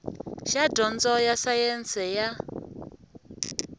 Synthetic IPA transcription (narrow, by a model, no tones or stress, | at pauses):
ʃadɔnd͡zɔjasajɛnt͡sʰɛja